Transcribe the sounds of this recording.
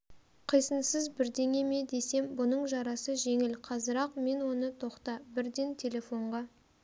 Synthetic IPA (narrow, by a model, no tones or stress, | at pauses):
qʰəjsənsəzbɪɾd̪e̞ŋe̞me̞d̪e̞se̞mbʊnəɴʒɑɾɑsəʒe̞ŋɪlqʰɑzəɾɑqme̞nwo̞nət̪ʰo̞qt̪ɑbɪɾd̪ent̪ʲʰe̞lʲe̞fo̞ɴʁɑ